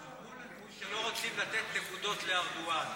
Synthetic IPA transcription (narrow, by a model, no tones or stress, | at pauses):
ʃelo̞ʁot͡simlat̪et̪nekud̪o̞t̪leaʁdua